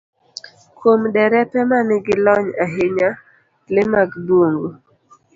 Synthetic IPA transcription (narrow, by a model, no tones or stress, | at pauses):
kʰomdɛɾɛpɛmanɪɡɪlɔɲaɦeɲa | lɪmaɡboŋɡo